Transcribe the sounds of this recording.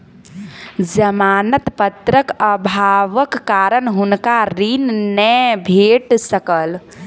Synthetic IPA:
d͡ʒəmanət̪pət̪ɾəkəbʱaʋəkːaɾənɦunkaɾinnɛbʱeʈsəkəl

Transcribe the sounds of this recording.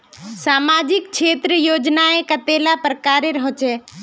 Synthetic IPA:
saːmaːd͡ʒɪk̚t͡ʃʰeːt̪ɾəjoːd͡ʒnaẽkət̪eːlapɾəkaːɾeɾəɦot͡ʃɛ

